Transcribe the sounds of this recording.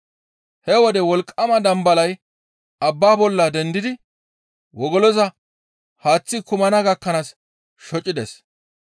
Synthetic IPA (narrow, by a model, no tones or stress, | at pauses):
hɛwɔd̪ɛwɔlkʼːɐmɐd̪ɐmbɐlɐj | ɐbːaːbɔlːɐd̪ɛnd̪ɪd̪ɪ | wɔɡɔlɔzɐ | haːt͡sːɪkʊmɐnɐɡɐkːɐnaːs | ʃɔt͡ʃʼɪd̪ɛs